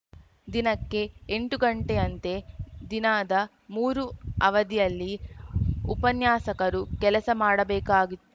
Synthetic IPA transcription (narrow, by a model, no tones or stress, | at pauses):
d̪inɐkːe̞ːɳʈuɡɐɳʈeɐnt̪e̞d̪inaːd̪ɐ | muːɾuɐʋɐd̪ijɐlːi | upɐnjaːsɐkɐɾukɛlɐsɐmaːɽɐbɛːkaːɡit̪ːu